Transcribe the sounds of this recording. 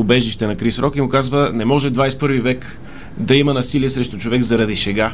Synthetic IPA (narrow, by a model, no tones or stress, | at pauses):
ʊbɛʒiʃt̪ɛnɐkɾisɾɔkimʊkazvənɛmɔʒɛd̪vajspɤɾvivɛk | d̪ɐimɐnɐsiliɛsɾɛʃt̪ʊt͡ʃovɛɡzɐɾɐd̪iʃɛɡa